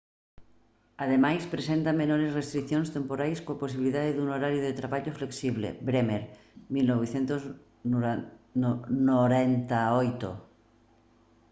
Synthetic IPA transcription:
aðemajspɾesent̪amenoɾesrest̪ɾikθjonst̪empoɾajskoaposiβiliðaðeðunoɾaɾjoðet̪ɾaβaʎofleksiβlḛbɾemeɾ | milnoβ̞eθjent̪oz | noɾent̪aojt̪o̰

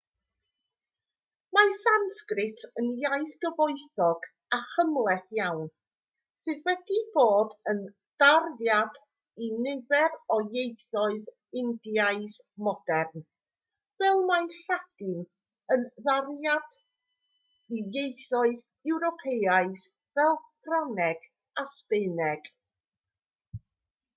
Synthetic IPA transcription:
masanskrɪtʰənjajθɡ̥əvɔɨθɔɡ | aχəmlˠɛθjawn | sɨðwɛd̥ib̥oːdən | d̥arðjad | inɪvɛrɔjejθɔɨð | ɪndjaɨð | mɔdɛrn | vɛlˠmajɬad̥ɪn | ənðarjad̥ | ijejθɔɨð | ɛwɾɔpʰeaɨð | vɛlˠfranɛɡ̥ | aspɪnɛɡ̥

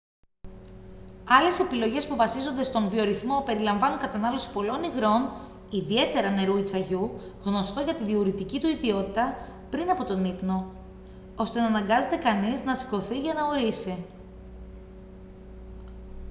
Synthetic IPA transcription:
ɐle̞se̞pilo̞ʝe̞spuvɐsizo̞nd̪est̪o̞nvio̞ɾiθmo̞pe̞ɾilɐɱvɐnuŋkɐt̪ɐnɐlo̞si̥po̞lo̞niɣɾo̞n | iðie̞t̪e̞ɾɐne̞ɾuit͡sɐʝu | ɣno̞st̪o̞ʝɐt̪iðiuɾit̪icit̪uiðio̞t̪it̪ɐ | pɾinɐpo̞t̪o̞nipno̞ | o̞st̪e̞nɐːnɐŋɡɐze̞t̪e̞kɐniznɐsi̥ko̞θiʝɐnɐo̞ɾisi

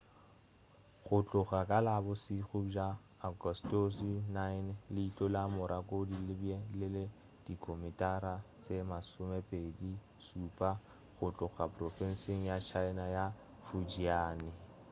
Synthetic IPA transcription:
ɣʊt͡ɬʼʊχakʼalabʊsiχʊd͡ʒaː | ɡɔstosinaɪnlɪit͡ɬʼɔlamʊɾʔakʼodilɪbjelɪle | d̥ikʰʼomɪtʼaɾa | t͡sʼemasʊmɛpʼedi | supʼa | ɣʊt͡ɬʼʊɣapʼrɔfɛn̩seŋ̩jat͡ʃʰaɪnaja | fud͡ʒiaːnɪ

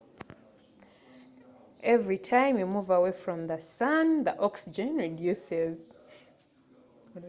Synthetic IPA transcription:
ʔɛvɹitʰãɪ̃mjumuvəweɪfɹɔ̃mðəsʌ̃nðiʔɔksid͡ʒɨ̃nɹidjʉsɪz̥

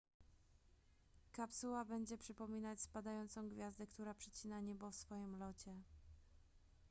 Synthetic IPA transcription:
kapsuwabɛɲd͡ʑɛpʂɘpɔmʲinat͡ɕspad̪ajɔnt̪sɔ̃w̃ɡvʲjazd̪ɛkt̪uɾapʂɛt͡ɕinaɲɛbɔfsfɔjimlɔt͡ɕɛ

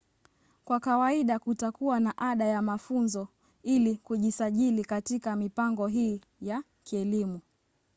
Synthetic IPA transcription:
kwakawaiɗakutakuwanaʔaɗajamafunzɔ | ilikuʄisaʄilikatikamipaŋɡɔɦiː | ja | kiɛlimu

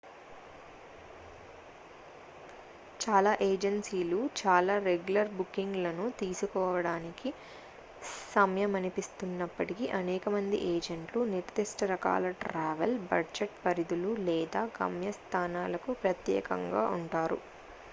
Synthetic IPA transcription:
t͡ʃaːlaːʔeːd͡ʒɐnsiːlut͡ʃaːlaːɾeɡjulɐɾbukːiŋɡlɐnut̪iːsukɔːʋɐɽaːniki | sɐmjɐmɐnipist̪unːɐpːɐʈikiʔɐnɛːkɐmɐnd̪ḭʔeːd͡ʒeɳʈluniɾd̪iʂʈɐɾɐka̰ːlɐʈɾaːʋelbɐɖd͡ʒeʈpɐɾid̪ululɛːd̪aːɡɐ̰mjɐst̪ʰaːnaːlɐkupɾɐt̪jɛ̰ːkɐ̰ŋɡa̰ːuɳʈaːɾṵ

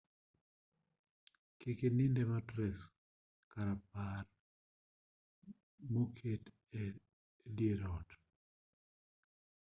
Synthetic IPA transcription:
kekenindɛmatɾɛs | kaɾapar | mokʰet | e | djeɾɔt

